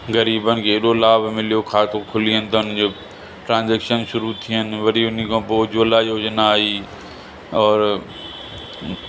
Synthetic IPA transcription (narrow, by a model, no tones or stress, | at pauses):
ɡəɾiːbənkeɗoːlaːbmɪljokʰaːt̪okʰʊliə̃nt̪ənd͡ʒe | ʈɾãːnd͡ʒeːkʃənʃʊɾut̪ʰiɦənʋəɾiʊnikõboːd͡ʒoːlajoːd͡ʒnaːiː | ɔːɾ